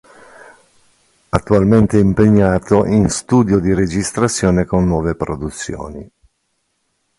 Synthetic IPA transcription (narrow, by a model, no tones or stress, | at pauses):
at̪ːualment̪eɛimpeɲːaːt̪oʔinst̪uːd̪jod̪iɾed͡ʒist̪ɾat̪sːjoːnekonːwɔːvepɾod̪ut̪sːjo̰ːni